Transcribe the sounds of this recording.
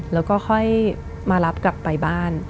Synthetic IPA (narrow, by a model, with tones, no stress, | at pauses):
lɛː˦˥wkɔː˥˩xʰɔ˥˩j | maː˧la˦˥p̚kla˨˩pːa˧jbaː˥˩n